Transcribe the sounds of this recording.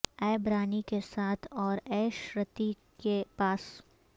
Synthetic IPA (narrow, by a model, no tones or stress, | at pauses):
ɛːbɾaːnikesaːt̪ʰɔːɾɛːʃɾət̪i | kepaːs